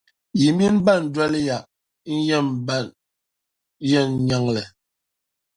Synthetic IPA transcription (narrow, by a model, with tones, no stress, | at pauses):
ji˨m˦bi˦nba˦˨n˨dwɛ˦lja˨ʔ̩˦ | jɛ˦˨mba˦˨n | jɛ˦˨n˨ɲa˦ŋlɛ˨